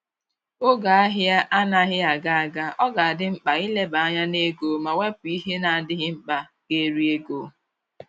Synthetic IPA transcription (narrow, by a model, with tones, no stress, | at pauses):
o˦ɡa˨a˦ɦɪ˦a˦ʔa˦na˦ɦɪ˦a˨ɡa˨a˨ɡa˦ɔ˦ɡa˨a˨dɪ˦ŋ͡m̩˦k͡pa˨i˦le˦ba˨a˦ɲa˦ne˦ɡo˨ma˨we˦p̚i˦ɦe˦na˨a˨dɪ˦ɣɪ˦ŋ͡m̩˦k͡pa˨ke˦ɾi˦e˦ɡo˨